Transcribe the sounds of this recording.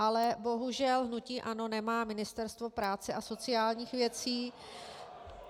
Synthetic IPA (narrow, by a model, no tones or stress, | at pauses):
ʔalɛbo̞ɦuʒɛlɦnuciːʔano̞nɛmaːmɪnɪst̪ɛɾst̪vo̞pɾaːt͡sɛʔaso̞t͡sɪaːlɲiːxvjɛt͡siː